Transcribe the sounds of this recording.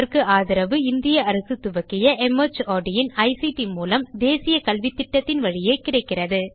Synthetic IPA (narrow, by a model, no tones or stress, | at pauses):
ɾkɯaːðɪɾɐʋɯɪnd̪ɪjɐɐɾɐsɯt̪ʊʋɐkːɪjɐʔɛmɐt͡ʃaːɖɪjɪnɐɪsiʈimuːlɐmd̪eːsɪjɐkɐlʋɪt̪ːɪʈːɐt̪ːɪnʋɐɻɪjeːkɪrɐɪkːɪrɐðɯ